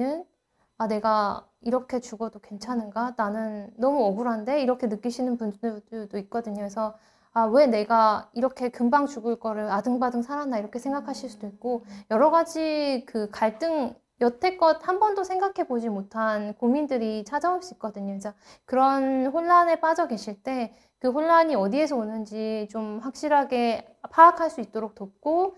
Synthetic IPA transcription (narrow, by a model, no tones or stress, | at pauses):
ɯn | ane̞ɡa | iɾʌkʰe̞t͡ɕuɡʌdokwe̞nt͡ɕʰanɯnɡananɯnːʌmuʌɡuɾɦande̞iɾʌkʰe̞nɯk͈iɕʰinɯnpundoit̚k͈ʌdɯɲoesʰʌ | awe̞ne̞ɡaiɾʌkʰe̞kɯmbaŋt͡ɕuɡɯɭk͈ʌɾɯɭadɯŋbadɯŋsʰaɾanːaiɾʌkʰe̞sʰe̞ŋɡakʰaɕʰiɭs͈ud̥oit̚k͈ojʌɾʌɡad͡ʑikɯkaɭt͈ɯŋ | jʌtʰe̞k͈ʌt̚hambʌndosʰe̞ŋɡakʰe̞bod͡ʑimotʰankomindɯɾit͡ɕʰad͡ʑaoɭs͈uik͈̚ʌdɯɲot͡ɕ͈akɯɾʌnɸoɭːane̞p͈ad͡ʑʌɡe̞ɕʰiɭt͈e̞ | kɯɸoɭːaɲiʌdie̞sʰʌonɯnd͡ʑit͡ɕomɸwak̚ɕ͈iɾɦaɡe̞ | pʰaːkʰaɭs͈uit̚t͈oɾok̚t͈op̚k͈o